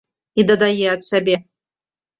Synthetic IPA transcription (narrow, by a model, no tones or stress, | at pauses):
id̪ɐd̪ajɛat̪sabʲe